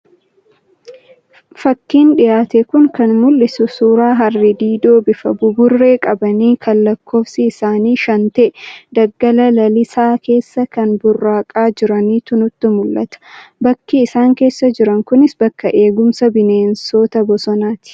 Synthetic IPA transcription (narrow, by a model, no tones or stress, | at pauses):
fɐkːiːnᶑɪjaːt̪ɛkʊŋkɐnmʊlːɪsʊsuːɾaːɦɐrːɪd̪iːd̪o̞ːbɪfɐbʊbʊrːe̞ːkʼɐbɐniːkʰɐlːɐkʰːo̞ːfsɪːsaːniːʃɐnt̪eːd̪ɐɡːɐlɐlɐlɪsaːke̞ːsːɐkɐnbʊrːaːkʼaːd͡ʒɪɾɐniːt̪ʊnʊt̪ːɪmʊlːɐt̪ɐ̥bɐkːiɪsaːŋke̞ːsːɐd͡ʒɪɾɐŋkʊnɪsbɐkːɐʔe̞ːɡʊmsɐbɪneːnso̞ːt̪ɐbɔsɔnaːt̪ɪ̥